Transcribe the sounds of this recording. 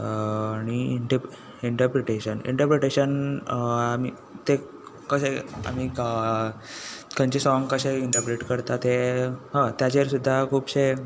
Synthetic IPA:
ɽ̃iiɳʈə | iɳʈəɾpɾiʈeɕənḭɳʈəɾpɾeʈeɕən | ami | t̪e | kəɕea̰m̤iə | kəɲt͡ɕesɔŋɡkəɕeiɳʈəɾpɾeʈkəɾt̪at̪eɦə̃t̪jat͡ɕeəɾsud̪ʱːakʰuːpɕe

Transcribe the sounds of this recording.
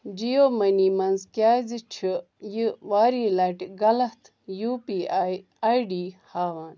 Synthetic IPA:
d͡ʒijoːmɐniːmɐnzkʲaːzit͡ʃʰi | jiʋaːɾiːlɐʈɡɐlɐt̪ʰ | juːpiːaj | ajɖiːhaːʋaːn

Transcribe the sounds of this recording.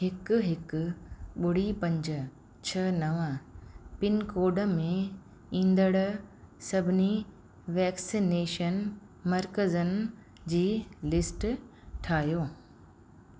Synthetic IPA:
ɦɪk̆ɦɪkʊɓʊɽ̤ipɐ̃ɲd͡ʑə̆ | t͡ɕʰɐnɐʋəpɪnkoːɖə̆mẽ | ĩːnd̪əɽsɐbʱɪni | ʋɛːksineːʃən | mɐɾkəzənɪ | d͡ʑiːlɪsʈ | ʈʰaːɦijoː

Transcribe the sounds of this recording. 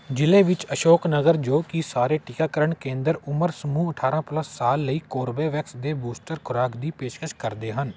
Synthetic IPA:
d͡ʒɪleːʋɪt͡ʃəʃoːknəɡəɾd͡ʒoːkisaːɾeːʈɪkaːkəɾəɳkẽːnd̪əɾʊməɾsəmuːəʈʰaːɾãːpləsːaːlːəiːkoːɾbeːʋɛksd̪eːbuːsʈəɾkʰʊɾaːkd̪iːpeːʃkəʃkəɾd̪eːɦən

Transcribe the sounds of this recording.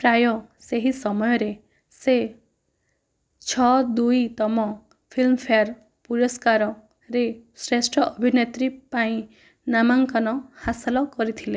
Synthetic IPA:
pɾajɔseɦisɔmɔjɔɾe | se | t͡ʃʰɔd̪ujt̪ɔmɔ | pʰilmpʰejaɾ | puɾɔskaɾɔ | ɾesɾesʈʰɔʔːbʱinet̪ɾipaĩ | namaŋkɔnɔhasalɔkɔɾit̪ʰile

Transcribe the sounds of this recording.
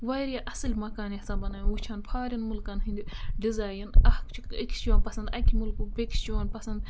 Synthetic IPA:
ʋaɾjaʔɐsɨlʲmɐkaːnjɐsãːbɐnaːjũut͡ʃʰaːnpʰaːɾʲɐnmulkanɦɨnd̪iɖizaːjɐnɐhkt͡ʃʰik̪ɐkʲst͡ʃoaːnpɐsɐnd̪ɐkʲʰimulkubʲekst͡ʃonpɐsɐnd̪

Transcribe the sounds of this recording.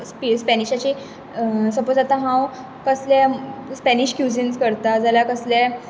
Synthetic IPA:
spispɛniɕat͡ɕi | səpot͡sat̪ãɦãw | kəsljaspɛniɕkjud͡zinskəɾt̪ad͡zalakəslja

